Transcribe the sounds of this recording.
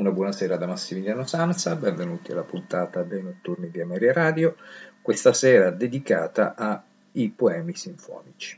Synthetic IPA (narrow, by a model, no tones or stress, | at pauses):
unabwɔːnasɛːɾad̪amasːimiljanosant̪sabɛɱvenuːt̪ia̰lːapunt̪aːt̪ad̪ejnot̪ːurnid̪iamɛɾjaɾaːd̪jokwest̪asɛːɾad̪ed̪ikaːt̪a̰ʔa | ipoɛːmisiɱfɔ̰ːnit͡ʃi̥